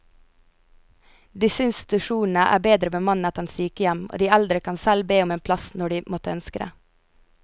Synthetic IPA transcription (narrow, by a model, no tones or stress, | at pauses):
d̪ɪsəɪnst̪ɪ̥t̪ʉʃuːn̩əʔæ̰ːbeːd̪ɾəbəmɑnət̪ɛnsyːkəjæmo̰ːd̪iːæld̪ɾəkʰɑnsælbeːʊmeːnpʰlɑsnɔɖiːmɔt̪əœnskəɾə̰